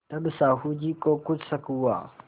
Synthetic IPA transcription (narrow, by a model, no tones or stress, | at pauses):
t̪ɐbɪsaːhud͡ʒiːkʼokʊt͡ssɐkuwa̰